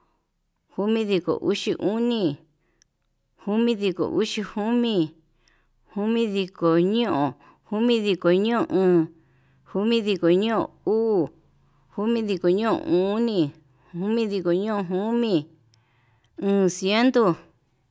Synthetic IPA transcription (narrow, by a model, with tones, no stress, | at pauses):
hu˦mĩ˦ði˧ko̰˨ʔu˦ʃi˧ʔu˦nĩ˧ | hu˦mĩ˦ði˧ko̰˨ʔu˦ʃi˧hu˦mĩ˦˧ | hu˦mĩ˦ði˧ko˨ɲõ˦ʔõ˨ | hu˦mĩ˦ði˧ko˨ɲũ˦õ˧˨ʔɨ̃ː˨ | hu˦mĩ˦ði˧ko˨ɲũ˦õ̰˨u˦˨ | hu˦mĩ˦ði˧ko˨ɲũ˦õ̰˨ʔũ˦nĩ˧ | hu˦mĩ˦ði˧ko˨ɲõ˦õ˧ɦu˦mĩ˦˧ | ɨ̃ː˨˧sje˦nd̪o˦